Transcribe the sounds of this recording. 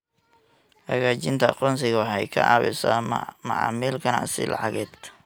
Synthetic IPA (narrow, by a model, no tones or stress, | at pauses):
hɐɣaːt͡ʃɪnt̪ʰɐɑ̰qɔːns̬ɪɣɐħɛjkʰɐ̰ʔɑ̰ːβɪ̰samɐ̰ʕɑ̰ːmiːlkʰɐn̰sɪ̰lʔɑ̰ʕɑɣɛːd̪